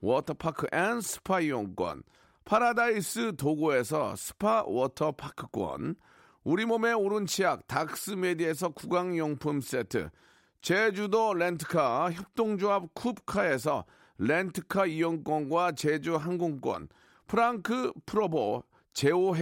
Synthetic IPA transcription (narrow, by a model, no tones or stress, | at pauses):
wʌtʰʌpʰakʰɯʔensʰɯ̥pʰaiwʌŋk͈wʌ̰n | pʰaɾadais͈ɯtoɡoe̞s̬ʰʌ̰sʰɯ̥pʰawʌtʰʌpʰakʰɯ̥k͈wʌ̰n | uɾimome̞oɾunt͡ɕʰijak̚tak̚s͈ɯmedie̞s̬ʰʌkuɡaŋjʌŋpʰums͈etʰɯ̰ | t͡ɕed͡ʑudolentʰɯ̥kʰaçjʌp̚t͈oŋd͡ʑoap̚kʰup̚kʰae̞s̬ʰʌ̰ | lentʰɯkʰaiwʌŋk͈wʌnɡwat͡ɕed͡ʑuɦaŋɡoŋk͈wʌ̰n | pʰɯɾaŋkʰɯpʰɯɾobo | t͡ɕe̞oɦ